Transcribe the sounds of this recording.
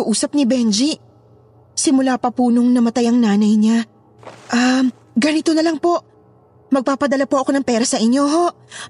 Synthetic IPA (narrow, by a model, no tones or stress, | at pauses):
ʊʔuːsɐp̚nibɛnd͡ʒi | sɪmʊlaːpɐpunoŋnɐmɐt̪ajɐŋnaːnɐjɲa | ʔam | ɡɐnɪt̪o̞nɐlɐŋpo̞ʔ | mɐɡ̚paːpɐd̪ɐlapoʔɐko̞nɐŋpɛːɾɐsɐʔɪɲjo̞ɦo̞ʔ